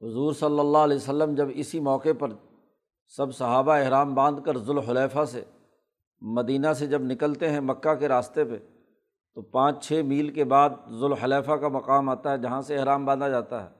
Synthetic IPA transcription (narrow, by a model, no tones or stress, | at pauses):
ɦʊzuːɾsɐlːəlːalɛːsəlːəmd͡ʒɐbɪsimɔːqepɐɾ | sɐbsɐɦaːbaɪɦɾaːmbãːnd̪kɐɾzʊlɦʊlɛːfasḛ | mɐd̪iːnased͡ʒɐbnɪkəlt̪eɦɛ̃mɐkːakeɾaːst̪epḛ | t̪opãːt͡ʃt͡ʃʰeːmiːlkebaːd̪̚zʊlɦʊlɛːfakamɐqaːmaːt̪aɦɛd͡ʒɐɦãseɪɦɾaːmbãːnd̪ad͡ʒaːt̪aɦɛ̰ː